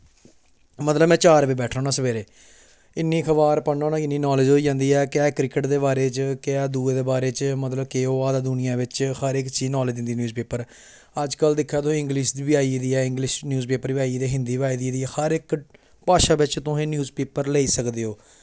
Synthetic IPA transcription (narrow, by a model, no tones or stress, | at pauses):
mət̪ləbmɛ̃ːt͡ʃaːɾʋiːbɛːʈʰoːnaːsəʋeːɾeː | ɪnːiːkʰəʋaːɾpəɳːoːnaːɪnːiːnɔːlɪd͡ʒoːiːd͡ʒãːnd̪iːɛːkɛːkɾɪkəʈd̪eːbaːɾeːt͡ʃkɛːd̪uːeːd̪eːbaːɾeːt͡ʃmət̪ləbkeːoːaːd̪aːd̪ʊnɪjãːʋɪt͡ʃhəɾɪkt͡ʃiːnɔːleːd͡ʒɪ̃nd̪iːnjuːzpeːpəɾ | əd͡ʒkəld̪ɪkʰːaːt̪ʊẽːɪ̃ŋɡliʃʋɪaːid̪iːɛːɪ̃ŋɡlɪʃnjuːzpeːpəɾʋɪaːiːd̪eɛːɦɪ̃nd̪iːʋaːiːd̪iːd̪iːɛːhəɾɪk | paːʃaːʋɪt͡ʃt̪ʊɦẽːnjuːzpeːpəɾleːiːsəkd̪eːɦoː